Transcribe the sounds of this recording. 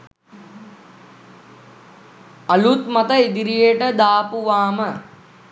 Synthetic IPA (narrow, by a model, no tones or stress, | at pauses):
ɐlut̪mɐt̪əed̪iɾijeʈəd̪aːpuʋaːmə